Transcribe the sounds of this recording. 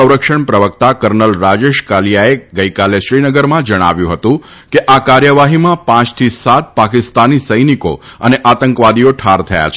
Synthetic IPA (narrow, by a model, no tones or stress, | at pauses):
əwɾəkʃəɳpɾəʋək̚t̪akəɾnəlɾad͡ʒeʃkaljaeɡəikaleʃɾinəɡəɾmãd͡ʒəɽ̃a̰ʋjũɦət̪ũ | keʔakaɾjəʋaɦimãpãt͡ʃt̪ʰisat̪̚pakɪst̪anisəjniko̰əneʔat̪əŋkʋad̪ioʈʰaɾt̪ʰəja̰t͡ʃʰ